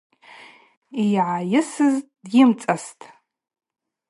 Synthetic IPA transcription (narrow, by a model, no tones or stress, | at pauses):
ijʕajɪsɨz | jɪmt͡sʼastʼ